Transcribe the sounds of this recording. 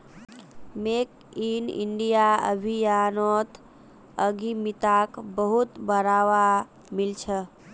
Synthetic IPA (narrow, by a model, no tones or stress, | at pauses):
mek | inḭɳɖijaə̰bʱijanot̪ʰ | əɡimit̪akbəɦut̪bəɾaʋa | milt͡ʃʰə